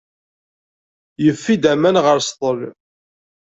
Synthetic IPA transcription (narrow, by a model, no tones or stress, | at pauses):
jəfːid̪æmænʁəɾst̪ˤəl